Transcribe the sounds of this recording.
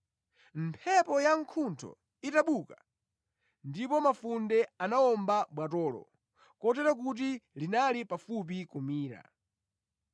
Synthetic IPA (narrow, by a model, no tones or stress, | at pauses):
m̩pʰɛpɔjaŋkʰuntʰɔ̰ | itaɓuka | ndipɔmafundɛanaɔmbaɓwatɔːlɔ̰ | kɔtɛɾak̬ut̬ilinalipafup̬ikumiːɾa̰